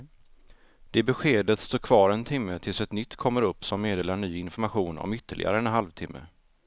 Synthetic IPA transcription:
d̪̥ɛæbɛɧeːd̪ət̪st̪oːɾkʰvɑːɾɛnt̪ʰɪmːət̪ʰɪlsɛt̪nʏt̪ːkʰɔmːəɾɵpːsɔmːeːd̪eːlaɳyːɪnfɔɾmaɧuːnɔ̰mʏt̪ʰːəɭʔɪ̰ɡa̰ɾəɛnɦalvt̪ʰɪmːə̰

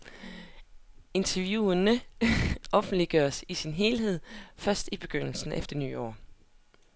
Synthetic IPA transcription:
e̝nt͡sʰɐʋjuːɐnə | ʔɒ̽fn̩d̥liɡ̥ɶɐsisinɦe̝ːlɦe̝ð̰ˠfɶɐsd̥ib̥e̝ɡ̥øn̰l̩sn̩efd̥ɐny̰ːɒ̰ː

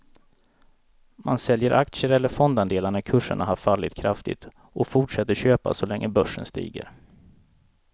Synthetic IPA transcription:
mansɛljəɾʔak̚t̪səɾɛlːəɾfɔnd̪and̪eːlaɳakʰɵʂːə̰ɳʔaɦaɾfalːɪt̪̚kʰɾaft̪ɪ̰t̪ | ʔɔfʊʈʂɛt̪ːəɾɕøːpa̰sɔlɛŋːəbœʂːənst̪ḭːɡə̰ɾ

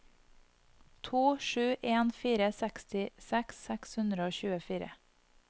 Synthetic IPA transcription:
t̪ʰuːʃʉːʔeːnfiːɾəsɛkst̪ɪsɛksɛkshʉnd̪ɾəoːçʉːəfiːɾə̰

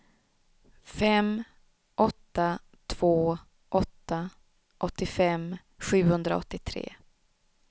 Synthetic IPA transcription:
fɛm | ʔɔt̪ːa | t̪ʰv̥oː | ʔɔt̪ːa | ʔɔt̪ːɪfɛm | ɧʉ̟ːhɵnd̪ɾa̰ɔ̰t̪ːɪt̪ʰɾḛː

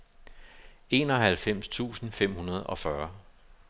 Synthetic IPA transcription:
e̝ːnɒ̽hælfem̰st͡sʰṵːsn̩fem̰hunɐð̞̩ˠɒ̽fɶɐ

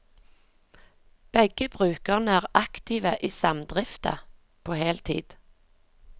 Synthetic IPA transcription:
b̥ɛɡ̥əbʁʉːkəʁnəæːʁɑkt̪ɪːʋəʔiːsɑmd̪ʁɪft̪ə̰ | pʰoːheːlt̪ʰḭːd̪̥

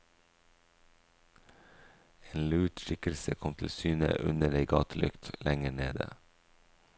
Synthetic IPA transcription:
eːnlʉːʈʃɪkəlsəkʰɔmt̪ʰɪl̩syːnə̰ʔʉnəɖeɪɡɑːt̪ʰəlʔʉkt̪lɛŋəɳeːd̪ə̰

